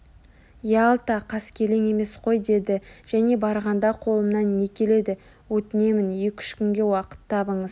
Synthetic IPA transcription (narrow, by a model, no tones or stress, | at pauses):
jɑlˠt̪ɑqʰɑskʲʰe̞le̞ŋe̞me̞sqʰo̞jd̪e̞d̪ɪʒ̥æne̞bɑɾʁɑnd̪ɑqʰo̞lˠəmnɑnːe̞kʲʰe̞le̞d̪ɪ | wɵt̪ɪne̞mɪnekʲʰʏ̥ʃkʲʏŋɡʲe̞wɑqə̥t̪ʰːɑbəɴəz̥